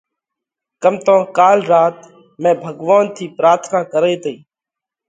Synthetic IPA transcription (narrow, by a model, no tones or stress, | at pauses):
kəmt̪ãːkaːlɾaːt̪ | mẽːbʱəɡʋaːnt̪ʰiːpɾaːɾt̪ʰnaːkəɾeːt̪əiː